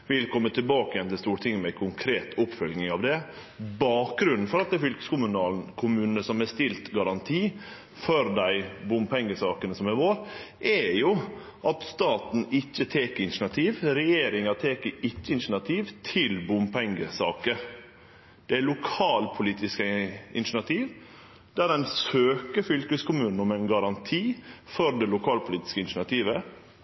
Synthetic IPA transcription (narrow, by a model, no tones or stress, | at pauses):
ʋɪlkʰɔmːət̪ʰɪlbɑːkəjɛnt̪ɪlst̪uːɾʈ̪ɪŋːəmɛkʰʊŋkʰɾeːt̪ʰʊpfœlnɪŋɑʋd̪ɛ | bɑːk̚ɡɾʉnːn̩fɔɾɑt̪̚d̪ɛfʏlkə̥skʊmʉnɑːln̩kʰʊmʉːnən̩əsɔmæst̪ɪlt̪ɡɑɾɑnt̪ʰiː | fɔɾd̪æɪbʊmpʰɛŋɡəsɑːkənəsɔmæɾʋoːɾʔɛjʊ | ʔɑt̪st̪ɑːt̪n̩ɪçːət̪ʰeːkəɪnʃɳɑt̪ʰiːʋɾɛjeːɾɪŋɑt̪ʰeːkəɪtːəɪnʂɳɑt̪ʰiːʋt̪ʰɪlbʊmpɛŋɡəsɑ̰ːkə | d̪̥ɛælʊkʰɑːlpʰʊliːt̪ɪskəɪ̰nʃɳɑt̪ʰiːʋ | d̪̥æd̪ɛnsøːkəfʏlkəskʊmʉːnn̩ɔmæɪnɡɑɾɑnt̪ʰiːfɔɾd̪ɛlʊkʰɑːlpʰʊliːt̪ɪ̥skəɪnʃɳɑt̪ʰiːʋə